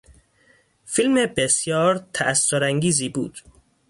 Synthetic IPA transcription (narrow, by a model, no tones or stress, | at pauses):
filmebesjɒːɾt̪ʰæʔæsːoɾæŋɟiːziːbuːd̪̥